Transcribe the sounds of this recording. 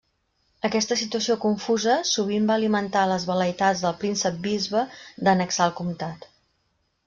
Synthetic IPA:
əkɛst̪əsit̪uəsiokuɱfuzəsuβ̞imbaəlimənt̪aləzβələit̪ad͡zd̪əlˠpɾinsəp̚bizβəd̪ənəksalˠkumt̪at̪

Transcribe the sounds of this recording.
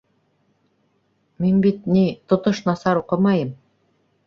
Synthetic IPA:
minbit̪̚nit̪ŏt̪ɤʃnɑsɑɾuqɤmɑjɤm

